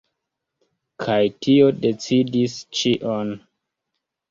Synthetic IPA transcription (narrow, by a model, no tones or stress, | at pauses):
kʰajtʰio̞det͡sidist͡ʃiʔon